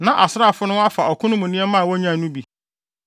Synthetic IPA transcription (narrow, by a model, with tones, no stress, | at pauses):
nã˨ʔa˨sɾa˦˨fʊ˦nʊ̃˦a˦fa˨ɔ˨kʰʊ̃˦nʊ̃˦mʊ̃˨nĩ˦ɛ˦mã˦˨wɔ˦ɲã˦˨nũ˦bi˨